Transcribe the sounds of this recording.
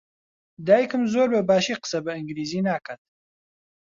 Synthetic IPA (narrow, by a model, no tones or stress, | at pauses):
d̪aːjikɨmzoːɾbɐbaːʃiːqə̥sɐbɐɨŋɡɾiːziːnaːkʰat̪̚